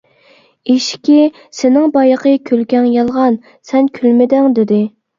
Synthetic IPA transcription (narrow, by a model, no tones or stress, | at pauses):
eʃkʲi | sɪnɪŋbɑjəqʰəkʲʰølkʲɛŋjɑlˠʁɑn | sɛnkʲʰylmɪd̪ɪŋd̪ɪd̪ɪ